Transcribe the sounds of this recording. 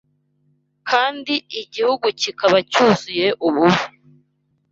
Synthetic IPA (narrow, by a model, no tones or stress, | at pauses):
kʰaːndiiɟihuɡucikaβacuːzuje̞ʔuβumu